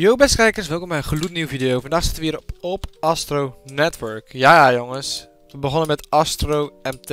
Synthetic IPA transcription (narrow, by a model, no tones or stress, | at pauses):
jowbɛskɛjkənsʋɛlˠkɔmbɛjəχlutniwvidejowfɑndaːχsɪtəʋəiːɾɔpɔpɑstrownɛtʋəɹkjaːjajoŋəs | ʋəbəχɔnəmɛtɑstrowɛmt